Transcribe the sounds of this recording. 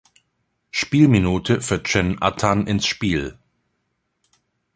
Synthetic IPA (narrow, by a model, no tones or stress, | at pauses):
ʃpiːlminuːtʰəfyɐt͡ʃɛnʔa̰tʰanʔɪnsʃpiːl